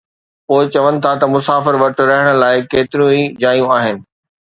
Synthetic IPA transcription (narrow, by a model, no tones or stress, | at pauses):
poːɪt͡ɕɐʋənɪ̆t̪ʰat̪ɐmʊsaːfɪɾʋɐʈ̆ɾɐɦɪɽ̃ʊ̆laːɪkeːt̪ɪɾjũid͡ʑaːjũaːɦɪnɪ̆